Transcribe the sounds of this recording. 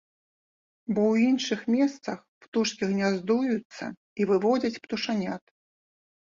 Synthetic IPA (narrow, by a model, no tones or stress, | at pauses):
bɔwinʂɨxmʲɛst̪sɐx | pt̪uʂkʲiɣnʲazd̪ujut̪sːɐ̰ | ivɨvɔd͡zʲɐt͡sʲpt̪uʂanʲat̪